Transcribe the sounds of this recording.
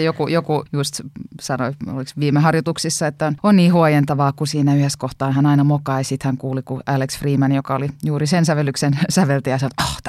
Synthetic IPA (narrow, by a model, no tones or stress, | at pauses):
jokujokujust̪sɑnoio̰liksʋiːmehɑrjot̪uksisːɑet̪ːæononniːhuɑjent̪ɑʋɑːkusiːnæyheskoht̪ɑːnhænɑinɑmokɑisit̪hæŋkuːlikuʔæleksfriːmɑnjokɑolijuːrisensæʋelːyksensæʋelt̪ejɑsɑnot̪oht̪